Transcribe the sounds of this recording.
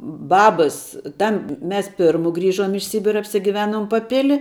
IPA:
ˈbɑːbɐs ˈtɐm ˈmʲɛs ˈpʲɪrmʊ ˈɡrʲiːʒoːm ɪʃ ˈsʲiːbʲɪrɐ ɐpʲsʲɪɡʲɪˈʋʲæːnoːm pɐˈpʲɪlʲɪ

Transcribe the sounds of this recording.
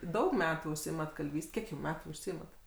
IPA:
ˈdɐʊk ˈmʲæːtuː ʊʃʲˈsʲɪɪmɐt kɐlʲˈʋʲiːsʲtʲ ˈkʲiɛk jɛʊ ˈmʲæːtuː ʊʃʲˈsʲɪɪmɐt

